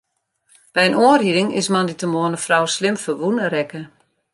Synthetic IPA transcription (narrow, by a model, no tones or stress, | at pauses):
b̥ɛjənoːəriɾɪŋɪ̰smɑnditəmoənəfrawslɪmfəʋunəɾɛkə